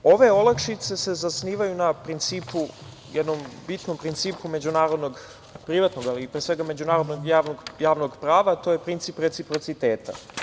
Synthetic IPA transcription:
o̞ʋe̞o̞lakʃit̪se̞se̞zasniːʋajunapɾint̪siːpu | jɛd̪nombit̪no̞mpɾint̪siːpume̞d͡ʑunaːɾo̞d̪no̞ɡ | pɾiʋat̪noɡalipɾesʋe̞ɡame̞d͡ʑunaːɾo̞d̪noɡaːʋnoɡjaːʋno̞ɡpɾaːʋat̪o̞jepɾint̪sipɾe̞t̪sipɾo̞t̪sit̪eːt̪a̰

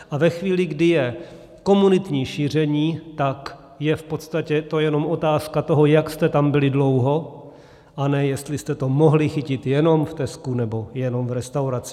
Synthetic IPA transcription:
ʔavɛxviːlɪɡdɪjɛ | ko̞munɪt̪ɲiːʃiːr̝ɛɲiːt̪ak | jɛfpo̞t̪st̪acɛt̪o̞jɛno̞mo̞t̪aːskat̪oɦo̞jakst̪ɛt̪ambɪlɪdlo̞wɦo̞ | ʔanɛjɛst̪lɪst̪ɛt̪o̞mo̞ɦlɪxɪcɪt̪jɛno̞mft̪ɛskunɛbo̞jɛno̞mvɾɛst̪awɾat͡sɪ̥

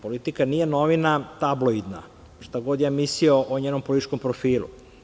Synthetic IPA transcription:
polit̪ikaniːjenoʋinat̪abloid̪na̰ | ʂt̪aɡod̪jaːmisioʔoɲeːnompolit̪it͡ʃko̞mpɾofiːlṵ

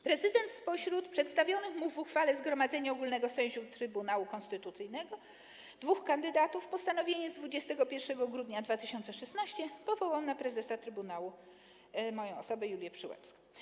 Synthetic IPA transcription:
pɾɛzɘd̪ɛnt̪spɔɕɾut̪pʂɛt̪st̪avʲjɔnɘxmuvuxfalɛzɡɾɔmad̪zɛɲaɔɡulnɛɡɔsɛ̃w̃ʑut̪ɾɘbunawukɔ̃nst̪ɘt̪ut̪sɘjnɛɡɔ | d̪vuxkand̪ɘd̪at̪ufpɔst̪anɔvʲjeɲɛzd̪vud͡ʑɛst̪ɛɡɔpʲjɛɾʂɛɡɔɡɾud̪ɲad̪vat̪ɘɕɔnt̪sɛʂɛsnaɕt͡ɕɛpɔvɔwawmnapɾɛzɛsat̪ɾɘbunawu | mɔjɔ̃w̃ɔsɔbɛjulʲjɛpʂɘwɛ̰psk

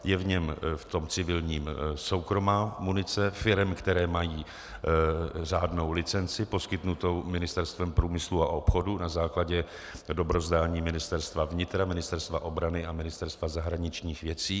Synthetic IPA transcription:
jɛvɲɛmft̪o̞mt͡sɪvɪlɲiːmso̞wkɾo̞maːmunɪt͡sɛfɪɾɛmkt̪ɛɾɛːmajiː | raːdno̞wlɪt͡sɛnt͡sɪpo̞skɪt̪nut̪o̞wmɪnɪst̪ɛɾst̪vɛmpɾuːmɪsluaʔo̞pxo̞dunazaːklaɟɛ | do̞bɾo̞zdaːɲiːmɪnɪst̪ɛɾst̪vavɲɪt̪ɾamɪnɪst̪ɛɾst̪vaʔo̞bɾanɪʔamɪnɪst̪ɛɾst̪vazaɦɾaɲɪt͡ʃɲiːxvjɛt͡siː

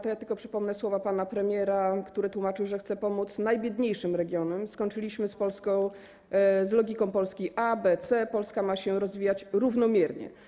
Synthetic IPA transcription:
t̪ɔjat̪ɘlkɔpʂɘpɔmnɛswɔvapanapɾɛmʲjɛɾakt̪uɾɘt̪wumat͡ʂɘwʐɛxt̪sɛpɔmut̪snajbʲjɛd̪ɲejʂɘmɾɛɡʲjɔnɛmskɔɲt͡ʂɘlʲiɕmɘspɔlskɔ̃w̃ | zlɔɡʲikɔ̃w̃pɔlskʲiʔabɛt̪sɛpɔlskamaɕɛɾɔzvʲijat͡ɕɾuvnɔmʲjɛɾɲɛ̰

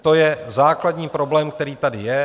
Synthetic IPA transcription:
t̪o̞jɛzaːkladɲiːpɾo̞blɛːmk̚t̪ɛɾiːt̪adɪjɛ

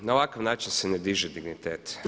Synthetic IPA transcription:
naoʋakaʋnaːt͡ʃinsened̪iʒɛd̪iɡnit̪eːt̪

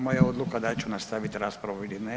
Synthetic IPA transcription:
mojaod̪lukad̪at͡ʃunast̪aʋit̪ɾaːspɾaʋuilinɛ

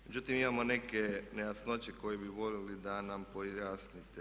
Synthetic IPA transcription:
mme̞d͡ʑut̪imimamo̞nekenejasno̞t͡ɕeko̞jebiʋo̞lelid̪anampojaːsnit̪e

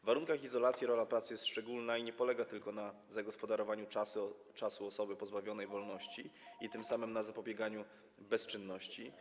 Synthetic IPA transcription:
vaɾuŋkaxizɔlat̪sʲjiɾɔlapɾat̪sɘjɛst̪ʂt͡ʂɛɡulnaiɲɛpɔlɛɡat̪ɘlkɔna | zaɡɔspɔd̪aɾɔvaɲut͡ʂas | t͡ʂasuɔsɔbɘpɔzbavʲjɔnɛjvɔlnɔɕt͡ɕiit̪ɘmsamɘmnazapɔbʲjɛɡaɲu | bɛst͡ʂɘnːɔɕt͡ɕi

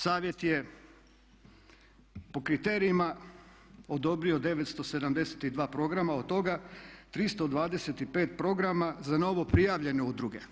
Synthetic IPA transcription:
saːʋje̞t̪je | po̞kɾit̪e̞ːɾiima | o̞d̪o̞bɾio̞d̪e̞ʋet̪st̪o̞se̞d̪amd̪e̞se̥t̪id̪ʋaːpɾo̞ɡɾamaod̪t̪ːo̞ɡat̪ɾist̪o̞d̪ʋaːd̪e̞set̪ipe̞ːt̪̚pɾo̞ɡɾamazano̞ʋo̞pɾijaːʋʎe̞neud̪ɾuɡe̞

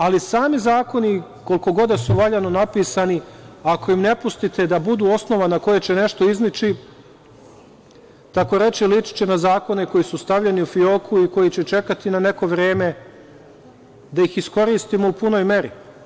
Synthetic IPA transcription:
alisaːmizaːko̞ni | ko̞lko̞ɡo̞d̪asuʋaʎano̞napiːsaniako̞imne̞pust̪it̪e̞d̪abud̪uːo̞sno̞ʋanako̞jet͡ɕe̞ne̞ʃt̪o̞iznit͡ʃi | t̪ako̞ɾe̞t͡ʃilit͡ʃi̥t͡ɕe̞nazaːko̞ne̞ko̞jisust̪aʋʎeniufio̞kʰuiko̞jit͡ɕe̞t͡ʃe̞kat̪inane̞ko̞ʋɾe̞ːme̞ | d̪aixisko̞ɾiːst̪imo̞upuno̞ːjme̞ɾi

